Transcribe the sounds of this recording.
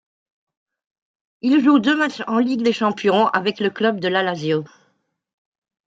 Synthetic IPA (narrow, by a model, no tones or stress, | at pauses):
ilʒud̪ømat͡ʃɑ̃liɡd̪eʃɑ̃pjɔ̃a̰vɛkləklœbd̪əlalazjo